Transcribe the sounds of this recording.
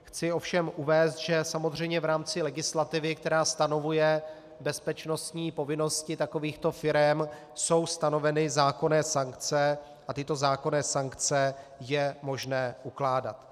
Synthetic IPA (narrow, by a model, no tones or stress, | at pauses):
xt͡sɪo̞fʃɛmʔuvɛːst̪ʒɛsamo̞zr̝ɛjmɲɛvɾaːmt͡sɪlɛɡɪslat̪ɪvɪkt̪ɛɾaːst̪ano̞vujɛ | bɛspɛt͡ʃno̞st̪ɲiːpo̞vɪno̞scɪt̪ako̞viːxt̪o̞fɪɾɛm | so̞wst̪ano̞vɛnɪzaːko̞nɛːsaŋkt͡sɛ | ʔat̪ɪt̪o̞zaːko̞nɛːsaŋkt͡sɛjɛmo̞ʒnɛːʔuklaːda̰t̪